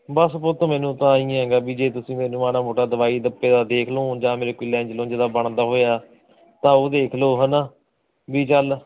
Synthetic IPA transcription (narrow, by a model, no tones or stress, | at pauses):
bəspoːt̪õːmɛːnũːt̪ãːĩːɦɛ̃ːɡaːbiːd͡ʒeːt̪ʊsĩːmeːnũːmaːɽaːmoːʈaːd̪əʋaːiːd̪əpːeːd̪aːd̪eːkʰloːd͡ʒãːmeːɾeːkɪːlɛ̃ːd͡ʒlõːd͡ʒeːd̪aːbəɳd̪aːɦoːjaː | t̪ãːoːd̪eːkʰloːɦəna | biːt͡ʃəl